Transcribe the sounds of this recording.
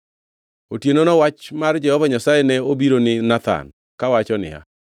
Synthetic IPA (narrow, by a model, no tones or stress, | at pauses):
otjenonɔwat͡ʃmard͡ʒɛhɔvaɲasajɛnɛobiɾonɪnat̪a̰n | kawat͡ʃɔnɪ̰a̰